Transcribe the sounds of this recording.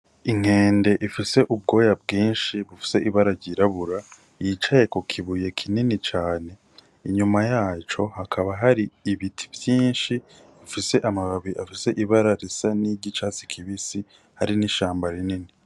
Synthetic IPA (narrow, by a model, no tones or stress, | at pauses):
iŋ̥e̞ːnde̞ʔifise̞ʔub̚ɡo̞ːjabɡiːnʃiβufi̥se̞ʔiβaɾaɟiɾaβuɾa | jit͡ʃaje̞kokʰiβuje̞kʰininit͡ʃaːne̞ | iɲumajaːt͡ʃo̞hakʰaβaɦaɾiːβitʰi̥vjiːnʃi | βifise̞ʔamaβaβiʔafise̞ʔiβaɾaɾisaniɟit͡ʃaːt͡si̥kʰiβisi | haɾiniʃaːmbaɾinini